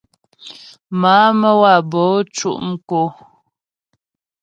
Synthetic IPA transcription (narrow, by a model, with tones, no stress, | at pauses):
maː˨˦mə˦wa˦˨bɔ˨˦t͡ʃṵ˦ʔŋ̩˦ko˨